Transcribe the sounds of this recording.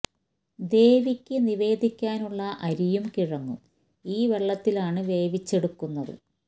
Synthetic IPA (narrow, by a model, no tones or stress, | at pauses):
d̪e̞ːʋikʲːɨniʋe̞ːd̪ʱikʲːaːnuɭːɐʔɐɾijumkiɻɐŋːum | iːʋe̞ɭːɐt̪ːilaːɳɨʋe̞ːʋit͡ɕːe̞ɽukːunːɐðɨ̰